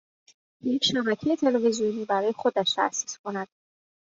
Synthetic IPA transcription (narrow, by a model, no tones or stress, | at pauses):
jecʰʃæbækʰejet̪ʰe̞levezijoniːbæɾɒːje̞xo̞d̪æʃt̪ʰæ̰æsːiskʰo̞næd̪̥